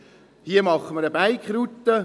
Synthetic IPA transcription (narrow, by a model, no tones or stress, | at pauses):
hiəmɑχːəməɾəbæjkχɾut̪ːə